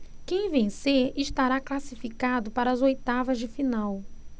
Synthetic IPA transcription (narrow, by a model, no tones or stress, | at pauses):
kẽj̃vẽj̃seɾɪʃt̪aɾaklasifikad̪ʊpaɾɐzojt̪avɐzd͡ʒɪfinaw